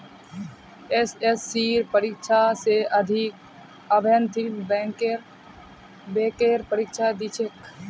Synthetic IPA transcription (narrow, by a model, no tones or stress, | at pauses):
esesːiːɾpəɾikʃʰaseʔəd̪ʱik | əbʱənt̪ʰibɛ̃ːŋkeɾ | beːkeɾpəɾikʃʰad̪it͡ʃʰek